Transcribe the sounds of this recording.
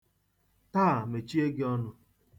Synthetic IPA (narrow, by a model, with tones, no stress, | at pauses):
taː˦˨me˨t͡ʃi˦e˦ɡɪ˦ɔ˦nʊ˦